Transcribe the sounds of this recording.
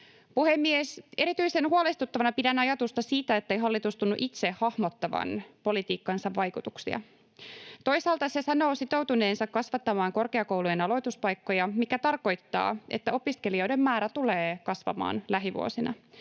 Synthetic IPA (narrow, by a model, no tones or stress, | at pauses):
puhemːiese̞ɾit̪yjse̞nhuolest̪ut̪ːɑʋɑnɑpidænːɑjɑt̪ust̪ɑsiːt̪æet̪ːejɦɑlːit̪ust̪unːuʔit̪se̞hɑhmo̞t̪ːɑʋɑ̰npo̞lit̪iːkːɑnsɑʋːɑjkut̪uksḭɑ̰ | t̪o̞jsɑːlt̪ɑse̞sɑno̞ːsit̪owt̪une̞ːnsɑkkɑsʋɑt̪ːɑmɑːŋko̞rkeɑko̞wlujenɑlo̞jt̪uspɑjkːo̞jɑmikæt̪ɑrko̞jt̪ːɑ̰ːʔet̪ːæo̞piske̞lio̞jdemːmæːɾæt̪uleːkɑsʋɑ̰mɑ̰ːnlæɦiʋṵo̰sinʔɑ̰